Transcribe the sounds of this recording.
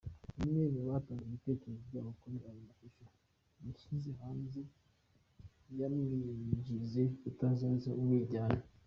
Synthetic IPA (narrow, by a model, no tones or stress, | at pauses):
umneːmoβaːtaːŋeβite̞ːceɾezovɟaːβokoɾeɾajomaʃoʃa | miʃiziɦaːnze | jamiɟizeutanzaːzeumwiːɟaːna